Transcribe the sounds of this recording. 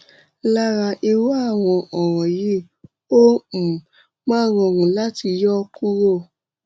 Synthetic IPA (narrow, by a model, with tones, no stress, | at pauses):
la˦ɾa˧˨ʔi˧wo˦a˦˨w̃ɔ̃˧ʔɔ˨ɾ̃ɔ̃˨ji˦ | õ˦˨ | mã˦˨wɔ̃˧˨ŋũ˨la˦ti˧jɔ˦ku˦ɾo˦˨